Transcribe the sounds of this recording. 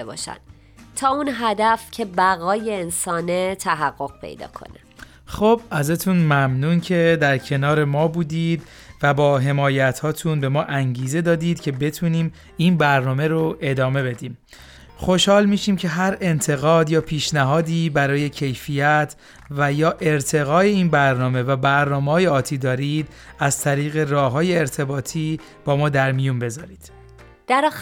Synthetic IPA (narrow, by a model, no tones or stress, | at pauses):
ebɒ̰ːʃæ̰n | t̪ʰɒːunɦæd̪æfcʰe̞bæɣɒːjeːnsɒːnet̪ʰæɦæɣːo̞ɣ̥pʰe̞̰jd̪ɒ̰ːkʰo̰ne | xobʔæzæt̪ʰuːnmæmnuːncʰe̞d̪æɾcʰe̞nɒːɾe̞mɒːbuːd̪iːd̪ | væbɒːɦe̞mɒːjæt̪ʰhɒːt̪ʰunbe̞mɒːʔæŋɟiːze̞d̪ɒːd̪iːd̪̥cʰe̞be̞t̪ʰuːniːm | iːnbæɾnɒːme̞ɾoʔe̞d̪ɒːme̞be̞d̪iːm | χo̞ʃhɒːlmiːʃiːmcʰe̞ɦæɾe̞nt̪ʰe̞ɣɒːd̪jɒːpʰiːʃnæɦɒːd̪iːbæɾɒːje̞cʰe̞jfiːjæt̪ʰ | væjɒːʔe̞ɾt̪ʰe̞ɣɒːe̞iːnbæɾnɒːme̞væbæɾnɒːmehɒːjeɒːt̪ʰiːd̪ɒːɾiːd̪̥ | æzt̪ʰæɾiːɣe̞rɒːɦɒːje̞ːɾt̪ʰe̞bɒːt̪ʰiː | b̥ɒːmɒːd̪æɾmijunbe̞zɒːɾiːd̪̥ | d̪̥æɾː